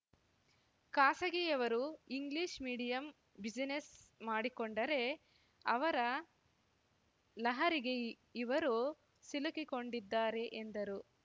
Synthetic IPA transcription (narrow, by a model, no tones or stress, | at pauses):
kaːsɐɡeɛʋɐɾuiŋɡliʃmiːɽijɐm | bid͡ʒinesmaːɽikoɳɖɐɾe̞ | ɐʋɐɾɐ | lɐɦɐɾiɡe̞ | iʋɐɾu | silukiko̞ɳɖid̪ːaːɾe̞ʔend̪ɐɾu